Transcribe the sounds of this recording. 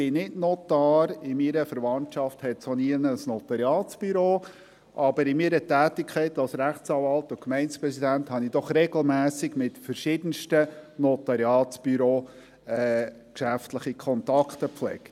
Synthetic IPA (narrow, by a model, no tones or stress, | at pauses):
ɪnɪdnɔtɑːɾɪmiɾəfəɾvɑnt͡ʃɑfthɛtsoniənəsnɔt̪ɑɾjɑːtsb̥yɾoː | ʔɑbəɾɪmiɾətæːtɪkʰɛɪtɑlsɾæχtt͡sɑvɑltʊkmɛɪnspɾɛsidænthɑnid̥̪ɔχɾɛɡl̩mæːsɪɡmɪtfəɾʃɪd̥ən̩ʃtənɔt̪ɑɾjɑːtsb̥yɾoː | ɛː | kʃæftləχikʰχɔnt̪ɑkχt̪əpflɛ̰kt